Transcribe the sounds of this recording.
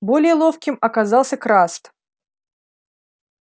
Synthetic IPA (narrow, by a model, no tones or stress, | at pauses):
bolʲɪjəlˠofkʲɪmɐkazɑlˠsʲəkɾast̪